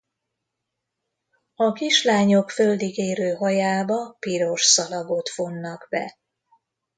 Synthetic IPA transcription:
ɒkiʃlaːɲo̞kfø̞ld̪iɡeːɾøːɦɒjaːbɒpiɾo̞ʃsɒlɒɡo̞t̪fo̞nːɒɡbɛ̰

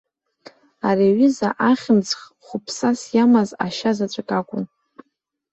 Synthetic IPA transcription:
areɥizaʔaχʲɪnt͡sχ | χʷʊpʰsasjamaza̰ʃazat͡ʃʷʼakʼakʷʼʊn

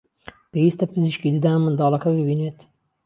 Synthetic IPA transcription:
peiːst̪ɐpɨziʃkiːd̪ɨd̪aːmɨnd̪ɑːlˠɐkɐbɨbiːneːt̪

